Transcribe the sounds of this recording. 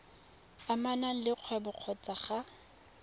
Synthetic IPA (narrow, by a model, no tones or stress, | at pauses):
amanaŋ̩lɪq͡χʰwɛbʊq͡χʰɔt͡sʼaχa